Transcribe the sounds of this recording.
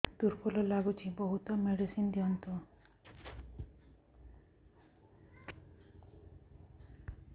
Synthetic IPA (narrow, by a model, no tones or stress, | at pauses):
d̪uɾpolɔlaɡut͡ʃʰibɔɦut̪ɔmeɽisind̪iɔnt̪ʰu